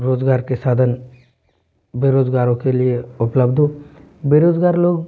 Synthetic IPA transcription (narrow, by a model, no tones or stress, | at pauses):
ɾoːd͡ʒɡaːɾkesaːd̪ʱən | beɾoːd͡ʒɡaːɾõkelieʊpləbd̪ʱo | beɾoːd͡ʒɡaːɾloːɡ